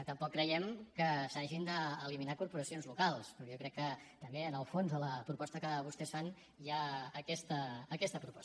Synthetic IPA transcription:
ət̪əmpɔkːɾəjɛmkəsaʒind̪əːliminakuɾpuɾəsionzlukalˠspɾɔjokɾɛkːət̪əmbeənəlˠfonzðələpɾupɔst̪əkəβust̪ɛsfan | jaːkɛst̪əəkɛst̪əpɾupɔ̥sə

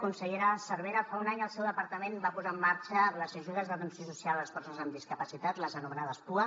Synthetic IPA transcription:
kunsəʎeɾəsəɾβeɾəfaunaɲəlˠsɛwðəpəɾt̪əmenbapuzaːmːaɾt͡ʃəːmləzəʒuð̞əzðət̪ənsjosusialləsfɔrsəzəmd̪iskəpəsit̪at̪ləzənumənaðəspuə

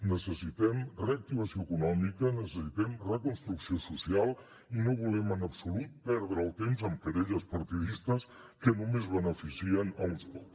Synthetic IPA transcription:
nəsəsit̪ɛmreək̚t̪iβ̞əsioəkunɔmikənəsəsit̪ɛmrəkunst̪ɾuksiosusialˠ | inoβulɛmənəpsulut̪̚pɛɾðɾəːlˠt̪emzəmkəɾeʎəspəɾt̪iðist̪əs | kənumezβənəfisiənəllsko

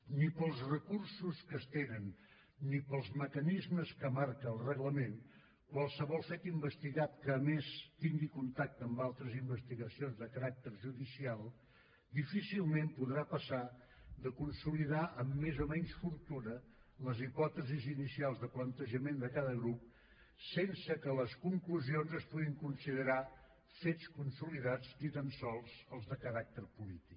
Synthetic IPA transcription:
nipəlˠzrəkursuskəst̪enənː | ipəlˠzməkənizməskəmaɾkəːlˠrəɣləmen | kwalˠsəβɔlˠfɛt̪imbəst̪iɣat̪̚kəːmest̪iŋɡikunt̪ak̚t̪əːmbalˠt̪ɾəzimbəst̪iɣəsionzðəkəɾak̚t̪əɾʒuðisialˠ | d̪ifisilˠmempuðɾapəsa | d̪əkunsuliðaʔəmːezomɛɲsfuɾt̪unələzipɔt̪əzizinisialˠzðəplənt̪əʒəmend̪əkaðəɣɾup̚ | sensəkələskuŋkluzionzəspuɣiŋkunsiðəɾa | fet͡skunsuliðad͡znit̪ansɔlˠzəlˠzðəkəɾak̚t̪əɾpulit̪ik

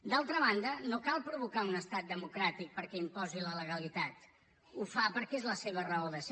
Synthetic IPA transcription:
d̪alˠt̪ɾəβ̞and̪ənokalˠpɾuβukaunəst̪at̪̚d̪əmukɾat̪ik̚pəɾkɛimpɔzilələɣ̞əlit̪at̪ | ufapəɾkɛezləseβərəoðəs

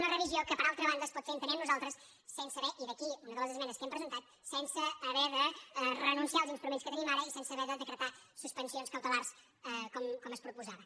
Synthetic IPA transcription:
unərəβiziokəpɐɾalˠt̪ɾəβand̪əspɔt̪eĩnt̪ənɛmnuzalˠt̪ɾəsː | ensəβɛʔiðəkiunəðəlˠəzəzmɛnəskɛmpɾəzənt̪at̪̚ | sɛnsəːβɛðəɛrənũnsialˠzinst̪ɾumẽnskət̪ənimaɾɐisensəːβɛðəðəkɾət̪a | suspənsionskəwt̪əlˠaɾs | ɛkɔmkɔməspɾupuzaβə

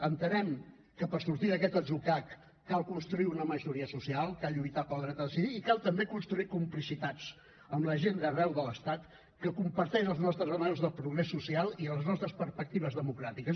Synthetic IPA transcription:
ənt̪ənɛm | kəpəɾsuɾt̪iðəkɛt̪əzukakː | alˠkunst̪ɾuiunəməʒuɾiəsusialˠkalˠʎujt̪apəlˠd̪ɾɛt̪əðəsiðiːkalˠt̪əmbekunst̪ɾuikumplisit̪at͡s | əmləʒend̪ərɛwðələst̪at̪ | kəkumpəɾt̪ɛʃəlˠznɔst̪ɾəzənɛwzðəlˠpɾuɣɾesːusialˠiələznɔst̪ɾəspəɾspək̚t̪iβ̞əzðəmukɾat̪ikəs

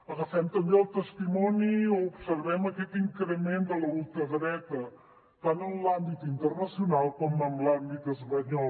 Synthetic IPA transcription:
əɣəfɛmt̪əmbeəlˠt̪əst̪imɔnioupsəɾβɛməkɛt̪iŋkɾəmend̪ələulˠt̪əɣɾɛt̪ə | t̪anəmlambit̪int̪ərnəsiunalˠkɔməmlambit̪əzpəɲɔl

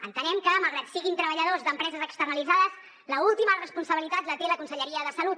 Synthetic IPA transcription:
ənt̪ənɛmkəmalˠɣɾat̪siɣint̪ɾəβəʎəðozd̪əmpɾɛzəzəkst̪ərnəlid͡zaðəs | ləulˠt̪imərəspunsəβilit̪at̪lət̪eləkunsəʎəɾiəðəsəlut̪

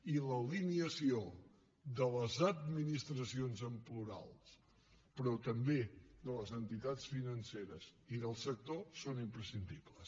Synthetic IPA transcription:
iləliniəsio | ðələzəd̪̚minist̪ɾəsionzəmpluɾa̰lˠs | pɾɔt̪əmbeðələzənt̪it̪at͡sfinənseɾəziðəlˠsək̚t̪osonimpɾəsind̪ibləs

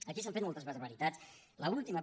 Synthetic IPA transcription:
əkis̬ãɱfet̪mɔlˠt̪əzβəɾβəɾit̪at͡sləulˠt̪imə

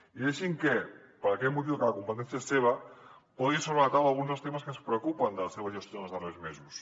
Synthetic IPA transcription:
iðeʃiŋke | pəɾɐkɛt̪mut̪̬iwkəlɐkumpət̪̬ɛnθiaseβ̞ɐpɔðisoɾəðt̪awalˠɣunzəlˠst̪eməskənspɾəukupənd̪əlɐseβ̞ɐʒəst̪jonəlzðərezmezus

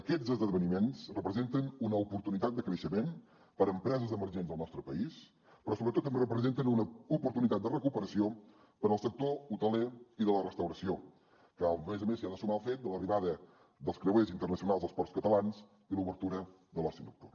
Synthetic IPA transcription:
əkɛd͡zzəzðəðəβənimensrəpɾəzent̪ənunəupuɾt̪unit̪at̪̚d̪əkɾəʃəmen | pəɾəmpɾɛzəzðəməɾʒenzðəlˠnɔst̪ɾəpəis | pɾɔsoβɾət̪ot̪ːəmberəpɾəzent̪ənunəupuɾt̪unit̪at̪d̪ərəkupəɾəsio | pəɾəlˠsək̚t̪out̪əleiðələrəst̪əwɾəsio | kəlmezəmesiaðəsumaəlˠfet̪̚d̪ələriβaðə | d̪əlˠskɾəwezint̪ərnəsiunalˠzðəspɔrskət̪əlanz | iluβəɾt̪uɾə | ðəlɔsind̪uk̚t̪ur

